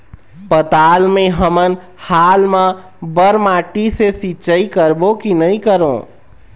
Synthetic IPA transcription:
pət̪almeɦəmən | halmə̃ | bəɾmaʈisesiːt͡ʃəikəɾbokinəikəɾõ

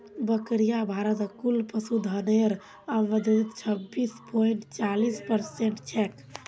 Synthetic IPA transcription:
bəkɾijabʱaɾət̪kulpəsud̪ʱəneɾ | aʋəd̪d̪it̪t͡ʃʰəbːispoiɳʈt͡ʃalispəɾseɳʈt͡ʃʰɛk

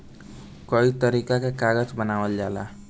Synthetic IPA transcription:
kʌit̪ʌɾikakekaɡʌt͡ʃbʌnawʌljala̰

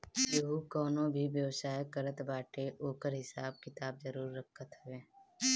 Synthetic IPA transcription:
joɦukɔːnõbʱiʋjəʋsaːjkəɾət̪baːʈeʔoːkəɾɦɪsaːb̚kɪt̪aːb̚zəɾuːɾːəkʰət̪ɦɛɡeː

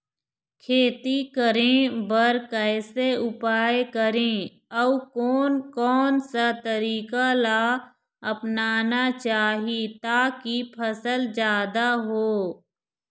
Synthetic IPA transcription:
kʰeːt̪ikəɾẽbəɾkɛːseʊpaːekəɾẽ | ɔukɔːnkɔːnsat̪əɾiːkala | ɐpnaːnat͡ʃaːɦit̪aːkipʰɐsəld͡ʒjaːd̪aɦoː

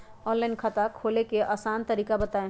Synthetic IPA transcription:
ɔ̃nlaɪnkʰat̪akʰolekeʔasant̪əɾikabət̪ae

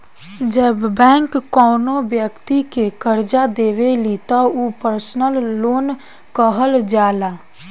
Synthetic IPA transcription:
d͡ʒəbːɛ̃ːŋkːɔːnobjəkt̪ikekəɾd͡ʒad̪eːʋelit̪aupəɾsnəlːoːn | kəɦəld͡ʒaːlaː

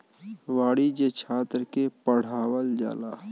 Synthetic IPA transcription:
ʋaːɽid͡ʒet͡ʃʰaːt̪ɾkepəɽ̤aːwəld͡ʒa̰ːla̰ː

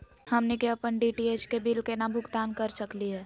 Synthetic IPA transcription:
hɐmnekeɐpəɳɖiʈieːt͡ʃkebɪlkenabʱʊɡt̪aːnkɐɾsəkliɦɛː

